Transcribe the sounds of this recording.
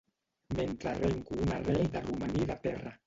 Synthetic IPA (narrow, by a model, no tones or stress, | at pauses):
ment̪ɾareŋkuunarɛjd̪arumaniðat̪ɛra